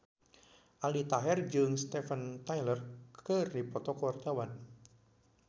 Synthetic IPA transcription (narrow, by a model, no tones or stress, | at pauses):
ʔalit̪aɦɛrd͡ʒɨŋst̪ɛfənt̪ajlərkkɨrdipɔt̪ɔkɔwart̪awan